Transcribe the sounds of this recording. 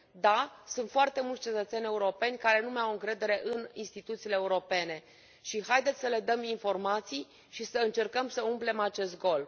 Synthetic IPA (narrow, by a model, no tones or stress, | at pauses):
d̪asunt̪foart̪e̞multsʲt͡ʃe̞t̪ət̪se̞nʲe̞uɾo̞pe̞nʲkaɾe̞numawɨŋkɾe̞d̪e̞ɾe̞ʔɨninst̪it̪ut̪siːleeuɾo̞pe̞ne̞ | ʃihajd̪et̪ʲsəle̞d̪əminfo̞rmat̪sij | ʃisəɨnt͡ʃe̞rkəmsəumple̞mat͡ʃe̞st̪̚ɡo̞l